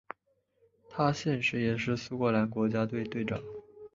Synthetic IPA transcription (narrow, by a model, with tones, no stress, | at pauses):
t̪ʰa˥ɕjɛ˥˧nʂɻ̩˧˥jɛ˨˩ʂɻ̩˥˩su˥kɤ˥˩la˧˥nkwɔ˧˥t͡ɕja˥t̪̬we˥˧ɪt̪we˥˩ɪʈ͡ʂɑ̰˨˩˦